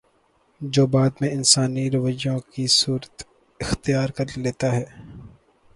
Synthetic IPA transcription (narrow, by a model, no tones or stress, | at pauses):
d͡ʒoːbaːd̪mẽɪnsaːniɾɐʋəd͡ʒõkisuːɾət̪ | ɪxt̪ijaːɾkɐɾleːt̪aɦɛː